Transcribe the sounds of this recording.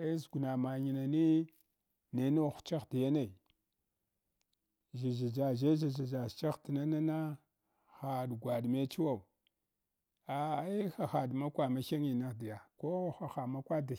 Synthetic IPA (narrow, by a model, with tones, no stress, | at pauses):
e˦zɡu˨na˨ma˨ɲi˨na˨ni˦ | ne˨˦no˦˨xt͡ʃa˦xdi˨ja˦na˨i˨ | ʒa˨d͡ʒa˨d͡ʒa˨ʒe˦za˨za˨d͡ʒa˨st͡ʃa˦xti˨na˦na˦na˦ | xa˨ɗɡʷa˨ɗme˦t͡ʃi˦wa˦˨u˨ | a˨i˦xa˨xa˨ɗma˦kʷa˨ma˦xa˦ŋi˨na˦di˨ja˨ko˦˨xa˨xa˨ma˦kʷa˦da˨